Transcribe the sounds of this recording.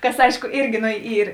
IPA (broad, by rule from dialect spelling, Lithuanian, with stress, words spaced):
ˈkɐs ˈɐɪʃkʊ ˈɪrʲɡʲɪ ˈnoː ˈiːr